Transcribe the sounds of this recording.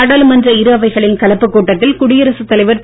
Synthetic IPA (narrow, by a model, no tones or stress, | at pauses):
ɐɽaːlmɐndrɐɪɾɯɐʋɐɪɣɐɭɪnkɐlɐpːɯkːuːʈːɐt̪ːɪlkʊɽɪjɐɾɐsɯt̪ːɐlɐɪʋɐɾ